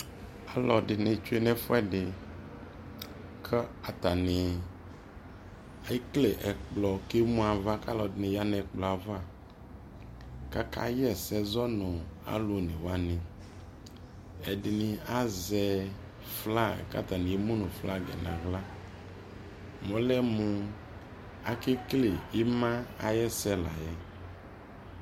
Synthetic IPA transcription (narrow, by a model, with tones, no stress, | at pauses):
a˨lɔ˨ɖɪ˨nẽ˨t͡ʃu˦e˦nɛ˦fɔ˦ɛ˦dɪ˨ | kʰɛ˦a˨t̪a˨nɪ˨ | a˨i˦kle˨ʔɛ˨k͡plɔ˨ke˦mũ˦a˨va˦ka˦lɔ˨dɪ˨nẽ˨ja˦nɛ˨k͡plɔ˨a˨va˦˨ | ka˦ka̰˦jɛ˦˨sɛ˦zɔ˦nɔ̃˨a̰˨lo˨nẽ˨wa˦nẽ˨ | ɛ˨di˨nĩ˨a˦zɛ˨ | fla˦˨ɛ̰˨ka̰˦t̪a˨nĩ˨je˦mũ˦nũ˨fla˦ɡɛ̰˨nã˨ɣla˦ | mɔ̃˨˦lɛ˦mũ˨ | a˨ke˦kle˨i˦mã˦a̰˨jɛ˦sɛ˦la˨jɛ˦